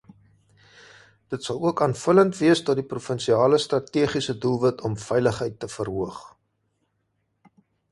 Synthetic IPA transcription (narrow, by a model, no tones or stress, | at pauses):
d̥ətsɐluəkɑːnfələntviəsdɑdiprufənsiɑːləstrɐtiəχisədulˠvətʰɔmfɛjləχɦəjtːəfərɦuəχ